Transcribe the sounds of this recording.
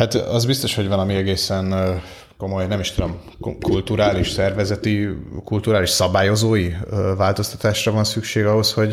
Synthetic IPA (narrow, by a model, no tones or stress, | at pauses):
hat̪ɒzbist̪o̞ʃho̞ɟvɒlɒmiɛɡeːsɛn | ko̞mo̞jnɛmiʃt̪ud̪o̞m | kult̪uɾaːliʃsɛrvɛzɛt̪ikult̪uɾaːliʃsɒbaːjo̞zoːjivaːlt̪o̞st̪ɒ̥t̪aːʃrɒvɒnsykʃeːɡɒɦo̞sho̞ɟ